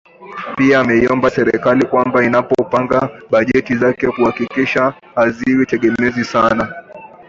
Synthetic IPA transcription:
piaːmɛiɔmbasɛɾɛ̰kalikwambainapɔpaŋɡaɓaʄɛtizakɛkuhakikiʃa | haziwitɛɠɛmɛzisana

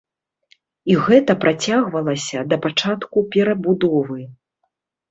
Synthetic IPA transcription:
iɣɛt̪ɐpɾʔat͡sʲaɣvɐlˠɐsʲɐd̪ɐpat͡ʂat̪kupʲɛɾɐbud̪ɔvɨ

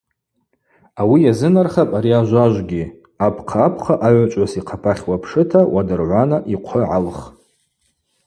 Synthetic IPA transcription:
awijazɨnarχapʼaɾiaʒʷaʒʷɡʲi | apʰqʰaːpʰχaʔaʕʷt͡ʃʷʼasiqʰapʰaχʲwapʰʂɨtʰawadɨrʕʷanaʔiqʷʰəʕalχ

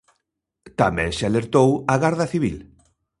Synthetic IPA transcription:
t̪amɛ̰̃ŋsaleɾt̪owaɣaɾðɐθiβ̞ḭl

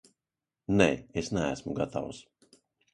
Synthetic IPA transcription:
neesnææsmuɡat̪ʰa̰ws

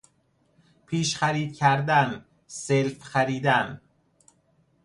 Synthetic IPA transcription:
pʰiːʃχæɾiːd̪̥̚cʰæɾd̪æn | selfxæɾiːd̪æn

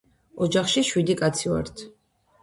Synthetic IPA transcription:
ɔd͡ʒaχʃiʃwid̪ikʼat̪sʰia̰ɾt̪ʰ

